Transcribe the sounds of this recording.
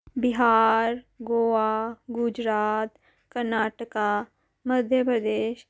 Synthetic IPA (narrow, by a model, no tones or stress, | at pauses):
bɪɦaːɾ | ɡoːʋaɡʊd͡ʒɾaːt̪ | kəɾnaːʈəka | məd̪ʱjəpɾəd̪eːʃ